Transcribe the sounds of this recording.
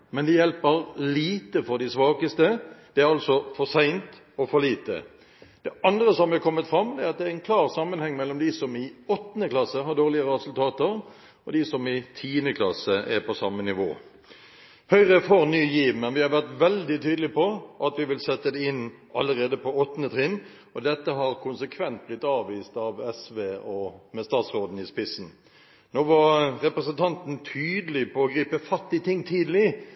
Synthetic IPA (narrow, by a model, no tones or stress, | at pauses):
mɛnd̪ɪjɛlpəɾliːt̪əfɔɾd̪ɪsʋɑːkəst̪əd̪̥ɛæɾɑlsɔfɔsæɪnt̪ | ɔfɔliːt̪ə̰ | d̪̥ɛʔɑnd̪ɾəsɔmʋɪɛkʰɔmːət̪fɾɑmːd̪ɛɑt̪̚d̪ɛæɾɪnkʰlɑːʁsɑmːənhɛŋːmɛlːɔmd̪ɪsɔmɪɔt̪ːnəklɑsəɦɑʁd̪oːʁlɪəɾəɾɛsʉlt̪ʰɑːt̪əɾ | ɔd̪ɪsɔmɪt̪ʰiːənəkʰlɑsəʔɛɾpʰɔsɑmənɪʋo̰ː | hœʏʁəfɔʁnyːjiːʋmɛnʋɪhɑɾʋæʁt̪ʋɛld̪ɪt̪ʰyːd̪əlɪpɔʔɑt̪ʋɪʋɪlsɛt̪ːəd̪ɛɪnː | ɑləɾeːd̪əpɔɔt̪ːnət̪ʰʁɪnː | ɔd̪ɛt̪ːəɦɑɾkʰʊnsəkʰʋɛnt̪̚blɪt̪ːɑːʋʋiːst̪ɑʋɛsʋeːɔmɛst̪ɑːt̪sʁoːd̪n̩ɪspɪsn̩ | noːʋɑʁɾɛpɾɛsənt̪ʰɑnt̪nt̪ʰyːd̪əlɪpʰɔɔɡɾiːpəfɑt̪ːɪt̪ʰɪŋːt̪ʰiːd̪əlɪ